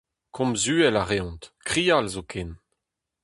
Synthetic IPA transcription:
kʰɔ̃mzyːɛlaʁeɔ̃nt̪kχiːalzokʰen

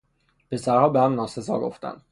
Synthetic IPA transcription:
pʰe̞sæɾhɒːbehæmnɒːse̞zɒ̰ːɡo̞̰ft̪æ̰nd̪

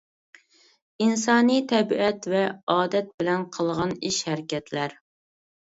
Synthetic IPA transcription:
ins̬ɑːnijt̪ʰɛbiʔɛt̪vɛɑːd̪ɛt̪̚bɪlɛnqʰəlˠʁɑniʃhæɾɪkʲɛt̪ʰlæɾ

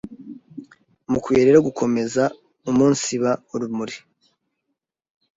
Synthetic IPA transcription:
mukweɾeɾoɡukʰo̞me̞za | umuːnsiβauɾumuɾi

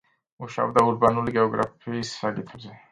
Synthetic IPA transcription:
uʃa̰bd̪auɾbanulɡeoɡɾa̰fisaɡit̪ʰoe

